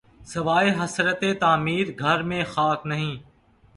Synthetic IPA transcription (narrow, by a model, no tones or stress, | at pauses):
səʋaːiːɦəsɾət̪eːt̪aːmiːɾɡʱəɾmẽːxaːknəɦĩː